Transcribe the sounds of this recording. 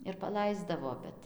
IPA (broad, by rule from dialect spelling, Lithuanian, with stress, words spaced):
ɪr pɐˈlˠɐɪzdɐʋoː ˈbʲɛt